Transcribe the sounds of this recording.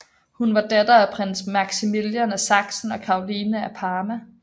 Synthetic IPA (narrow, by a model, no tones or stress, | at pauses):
hunʋɑ̈d̥æd̥ɐæpʰʁen̰smɑɡ̥similjænæsɑ̈ɡ̥sn̩ɒ̽kʰɑ̈ʊliːnəæpʰɑːmæ